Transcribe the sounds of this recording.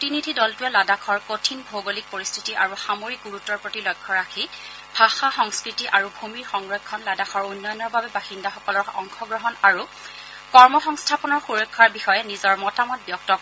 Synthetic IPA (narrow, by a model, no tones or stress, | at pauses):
tinidʱidɔltujɛladakʰɔɹkotʰinbʱoɡolik̚poɹistʰitiʔaɹuxamoɹik̚ɡuɹutɔɹpɹotilɔjkʰːɔɹakʰi | b̥ʱaxaxɔŋskɹitiʔaɹubʱumiɹxɔŋɹɔjkʰːɔnladaxʰɔɹunːɔjɔnɔɹbabɛbaxindaxɔkɔlɔɹɔ̰ŋxɔɡɹɔɦɔnaɹu | kɔɹmɔxɔŋstʰapɔnɔɹxuɹɔjkʰːaɹbixɔjɛnizɔɹmɔtamɔt̚bjɔk̚tɔ